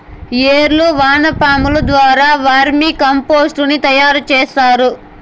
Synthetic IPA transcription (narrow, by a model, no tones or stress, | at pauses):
jeːɾluʋaːnɐpaːmulɐd̪ʋaːɾaːʋaːɾmiːkɐmpo̞ːsʈunit̪ɐjaːɾut͡ʃeːsaːɾu